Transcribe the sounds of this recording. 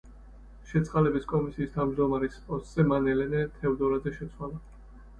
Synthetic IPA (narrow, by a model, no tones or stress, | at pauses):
ʃɛt̪sʰʼqʼalɛbiskʼɔmisiːst̪ʰavmd͡ʒd̪ɔmaɾɛspʼɔst̪ʼz̥ɛmanɛlɛnɛt̪ʰɛvd̪ɔɾazɛʃɛt̪sʰwalˠa